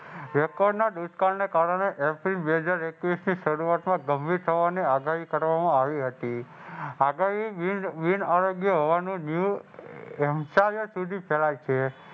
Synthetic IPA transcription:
ɾɛkɔɖnad̪ud̪kalnekaɾəɽ̃eʔepɾinbeɦəd͡ʒaɾekʋisniʃəɾuat̪mãɡəmbʱiɾt̪ʰəʋaniaɡaɦikəɾʋamãaʋiɦət̪i | aɡaɦiʋinaɾoɡjəɦoʋanũnju | ɛmsajosud̪ʱipʰɛlajt͡ʃʰe

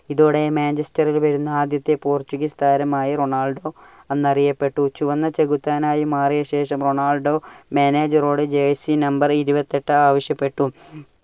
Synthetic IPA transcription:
iðoːɽe̞maːnd͡ʑɐstɐrilʋɐɾunːɐaːd̪jɐt̪ːe̞puːrt͡ɕːuɣist̪ʰaːɾɐmaːjiro̞ɳaːlɖo̞ː | ɐnːɐrijɐpːe̞ʈːut͡ɕuʋɐnːɐt͡ɕe̞ɣut̪ːaːnaːjimaːrijɐɕe̞ːʂɐmro̞ɳaːlɖo̞ːmeːneːd͡ʑɐroːɽed͡ʑeɐsinɐmbɐriɾubɐt̪ːeʈːɨaːʋɐɕjɐpːe̞ʈːu

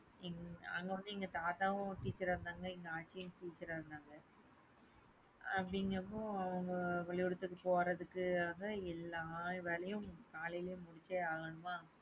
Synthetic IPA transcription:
ɛŋɐ̰ŋɡɐʋɐnd̪ɯɛŋɡɐt̪aːt̪aːʋɐ̃ʈiːt͡ʃːɐɾɐːɾɯnd̪aːŋɡɐɛŋɡɐaːt͡ʃːɪjɯ̃mʈiːt͡ʃːɐɾaɾɯnd̪aːŋɡɐ | ɐpɽɪŋɡɐmõɐʋɐŋɡɐʋɐɭɪjɔɽɯt̪ːɯkːɯpoːɾɐðɯkːɯaːɣɐɛlːaːʋeːɭɐjɯ̃kaːlɪjlɐjɯ̃mːʊɽɪt͡ʃːeaːɣɐɳɯmaː

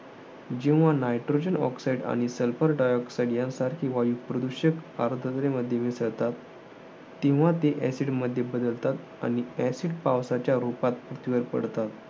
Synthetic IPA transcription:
d͡ʑiʋ̃ʋanajʈɾod͡ʑənɔ̰ksaiɖa̰ɽ̃isəlfəɾɖajɔksajɽjãnsaɾkĩʋajupɾəd̪uɕəkaɾod̪ʱət̪ɾeməd̪ʱːjemisəɭt̪at̪ː | ĩw̃ʋat̪eʔɛsiɖməd̪ʱːjebəd̪əlt̪at̪ | a̰ɽ̃iɛsiɖpawsat͡ɕjaɾupat̪̚pɾət̪iʋəɾpə̰ɽt̪at̪

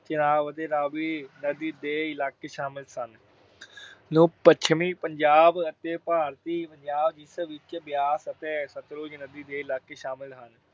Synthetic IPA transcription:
t͡ʃɪnaːʋət̪eːɾaːʋiːnəd̪iːd̪eːɪlaːkeːʃaːmɪlsən | nũːpət͡ʃʰmiːpəɲd͡ʒaːbət̪eːpaːɾt̪iːpəɲd͡ʒaːbd͡ʒisəʋɪt͡ʃbjaːsət̪eːsət̪ɾoːd͡ʒnəd̪iːd̪eːɪlaːkeːʃaːmɪlɦən

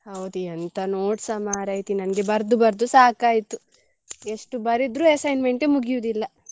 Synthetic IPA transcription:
hɐwd̪iɐnt̪ɐnoːʈsɐmaːɾɐːjt̪inɐnɡe̞bɐɾd̪ubɐɾd̪usaːkaːjt̪u | e̞ʂʈubɐɾid̪ɾuːɐsɐjnme̞ɳʈemuɡijuʋd̪ilːɐ

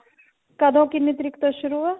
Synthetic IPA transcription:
kɐd̪ʱõkinit̪ɾikt̪oʃuɾuʋɐ

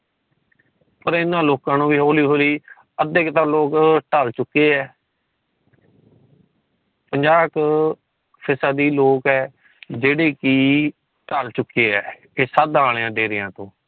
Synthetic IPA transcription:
pəɾɪnːãːloːkãːnũːʋiːɦoːliːɦoːliː | əd̪ekt̪aːloːkʈalt͡ʃʊkːeːɛː | pəɲd͡ʒaːk | pʰɪsaːd̪iːloːkɛː | d͡ʒeːɽeːkiː | ʈalt͡ʃʊkːeːɛː | eːsəd̪aːlːãːɖeːɾɪjãːt̪õː

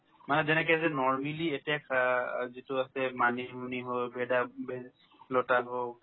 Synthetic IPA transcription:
manɛzɛnɛk̬ɛzɛnɔɹmilietijakʰzituasɛmanimuniɦojbʱedabʱe | lotaɦo

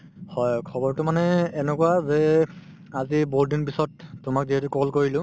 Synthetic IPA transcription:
hɔjkʰɔbɔɹtʊmanɛːnɛkuwazɛ | aziboɹdinpisɔtːʊmak̚ziɦɛtukɔlkoɹilʊ̃

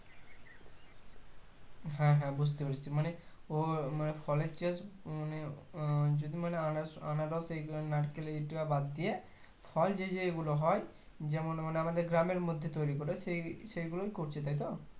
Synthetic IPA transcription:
ɦɛ̃ɦɛ̃bud͡ʒt̪epaɾit͡ʃʰimaneomanepʰɔlet͡ʃiesɔne | d͡ʒod̪imaneasanaɖɔsenaʈkeleiʈibabad̪ːie | pʰɔld͡ʒed͡ʒeːɡuloɦɔj | d͡ʒemaneamad̪eɾɡɾameɾmod̪ʱːjet̪ɔjɾikɔɾesesejɡulokikoɾt͡ʃʰit̪ajt̪̬ɔ

